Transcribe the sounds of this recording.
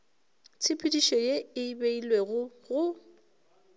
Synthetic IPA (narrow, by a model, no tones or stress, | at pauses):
t͡sʰɪpʰʼidiʃɔjeɪibeilweɣʊɣʊ